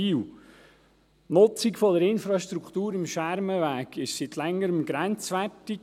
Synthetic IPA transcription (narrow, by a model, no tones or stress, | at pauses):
iːw | nʊt͡sikfɔdəɾɪnfɾɑʃt̪ɾukt̪uːɾɪmʃʋæɾməʋæːɡ̥ɪʃsit̪lɛŋːəɾəmɡɾɛnt͡sʋætik